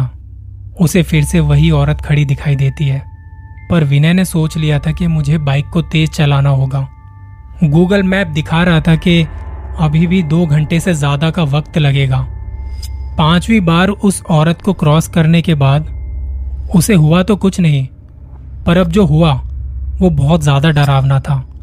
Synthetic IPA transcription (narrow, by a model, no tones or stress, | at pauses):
ʊsefɪɾseʋɐɦiɔːɾət̪kʰɐɽid̪ɪkʰaːid̪eːt̪iɦɛː | pɐɾʋɪnɛnesoːt͡ʃlijat̪ʰakimʊd͡ʒʱebaːɪkːot̪eːzt͡ʃɐlaːnaɦoːɡaː | ɡuːɡəlmɛːp̚d̪ɪkʰaɾɐɦat̪ʰakeɐbʱibʱid̪oːɡʱɐ̃ɳʈesezjaːd̪akaʋɐkt̪lɐɡeːɡaː | pãːt͡ʃwibaːɾʊsɔːɾət̪kokɾɔːskɐɾnekebaːd̪ | ʊseɦʊat̪okʊt͡ʃʰnɐɦĩ | pɐɾɐb̚d͡ʒoːɦʊaʋobɔːt̪zjaːd̪aɖɐɾaːʋnat̪ʰaː